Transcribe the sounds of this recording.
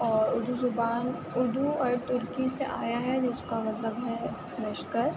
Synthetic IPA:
ɔːɾʊɾd̪uzʊbaːn | ʊɾd̪uɔːɾt̪ʊɾkiseʔaːjaɦɛd͡ʒɪskamɐt̪ləbɦɛ | mɪʃkəɾ

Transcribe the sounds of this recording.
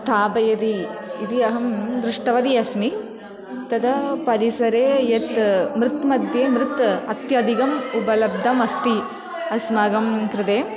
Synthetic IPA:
st̪ʰaːbɐjɐd̪iːt̪iɐɦɐmd̪ɾɪʂʈɐʋɐd̪iɐsmi | t̪ɐd̪ɐpɐɾisɐɾeːjet̪mɾɪt̪mɐd̪jeːmɾɪt̪ɐt̪jaːd̪iɡɐmubɐlɐb̚d̪ʱɐmɐst̪i | ɐsmaːɡɐmkɾɐd̪eː

